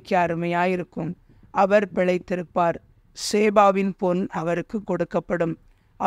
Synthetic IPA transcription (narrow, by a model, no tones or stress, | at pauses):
kːɐɐɾɯmɐjaːjɪɾɯkːɯm | ʔɐʋɐɾpɪɭɐɪt̪ːɪɾɯpːaːɾ | seːbaːʋɪnponɐʋɐɾɯkːɯkːɔɽɯkːɐpːɐɽɯm | ʔɐ